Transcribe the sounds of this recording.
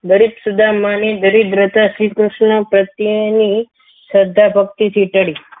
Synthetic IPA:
ɡəɾibsud̪ʱamanid̪əɾid̪ɾət̪aʃɾikɾʊʂɳəpɾət̪jəni | səd̪ʱːabʱək̚t̪it̪ʰiʈəɭi

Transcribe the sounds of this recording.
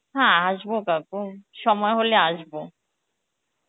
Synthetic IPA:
ɦãaʃbokakuʃɔmɔeɦoleaʃbo

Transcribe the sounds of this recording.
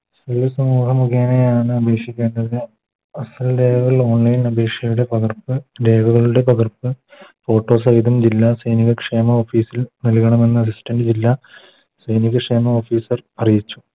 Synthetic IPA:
selusɐmuːɦɐmuɣeːnejaːɳɨɐbʱe̞ːkʂikʲːe̞ːnɖɐðɨ | ɐsɐld̪e̞ːɡɐɣɐɭo̞ːɳlɐjnɐbʱe̞ːkʂjɐjuɽe̞pɐɣɐrpɨde̞ːɡɐɣɐɭuɽe̞pɐɣɐrpɨfo̞ːʈːo̞ːs̬ɐjðɐmd͡ʑilːasɐjniɣɐkʂeːmɐoːfiːsilnilkɐɳɐmenːɨɐs̬istɐnɖɨd͡ʑilːa | sɐjniɣɐkʂe̞ːmɐoːfiːsɐrɐrijit͡ɕːu̥

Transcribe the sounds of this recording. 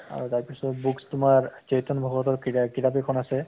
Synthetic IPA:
a̰ɹutaɹpisɔtbukstʊmaɹt͡ʃeɦitɔnbʱɔɡɔtɔɹkitapekʰɔnasɛ

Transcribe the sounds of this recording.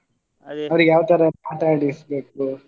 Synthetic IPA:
ɐʋɾujaːʋt̪ɐɾɐpaːʈaːɽisbe̞ːk̚u

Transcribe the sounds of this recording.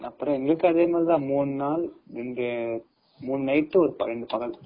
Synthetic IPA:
ɐpːɯɾɔ̃ɛŋɡɐɭɯkːɯɐðeːmaːlt̪ãːmuːɳɯnaːlɾɛndrɯ | muːɳɯnɐɪt̪ːɯɔɾɯpɐɾɛɳɖɯpɐɣɐɭ

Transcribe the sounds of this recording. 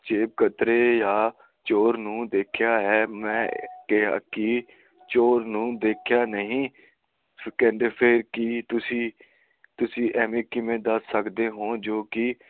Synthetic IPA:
t͡ʃeːb̚kət̪ɾeːjaː | t͡ʃoːɾnũːd̪eːkʰjaːɦɛːmɛ̃ːkɛɦa̰ːkɪ | t͡ʃoːɾnũːd̪eːkʰjaːnəɦĩː | kɛ̃ɳɖeːpʰeːɾkɪt̪ʊsĩː | t̪ʊsĩːʔɛːmẽːkɪmẽːd̪əsːəkd̪eːɦõːd͡ʒoːkɪ

